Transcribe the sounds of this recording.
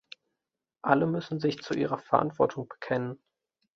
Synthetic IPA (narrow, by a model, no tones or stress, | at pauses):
ʔaləmʏsn̩zɪçt͡suʔiːʁɐfɛɐʔa̰ntv̥ɔɐtʰʊŋb̥ə̥kʰɛnən